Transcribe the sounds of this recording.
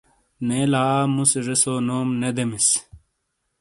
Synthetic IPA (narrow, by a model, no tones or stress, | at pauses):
neːlaːmusʐesoːnoːmned̪emis